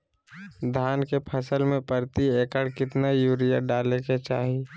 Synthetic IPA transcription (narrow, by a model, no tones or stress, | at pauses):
d̪ʱaːnkepʰəsəlmẽpəɾt̪ieːkəɽkɪt̪najuːɾijaɖaːleket͡ʃaːɦi